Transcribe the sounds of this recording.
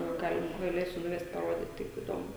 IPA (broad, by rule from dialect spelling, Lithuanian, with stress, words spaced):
ˈɡɐlʲ ɡɐˈlʲeːsʲʊ nʊˈʋʲɛst pɐˈroːdʲiːt tɐɪp ɪˈdoːmʊ